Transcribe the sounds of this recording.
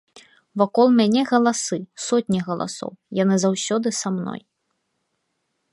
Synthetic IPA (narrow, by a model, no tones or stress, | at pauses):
vakɔlˠmʲanʲɛɣɐlˠasɨsɔtʲnʲiɣɐlˠa̰sɔ̰wjanɨzawsʲɔd̪ɨsamnɔ̰j